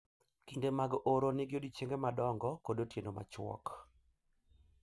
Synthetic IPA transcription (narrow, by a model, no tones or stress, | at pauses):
kindemaɡʔoɾonɪɡjodit͡ʃeŋɡemadɔŋɡɔkodotjenoma̰t͡ʃwɔ̰k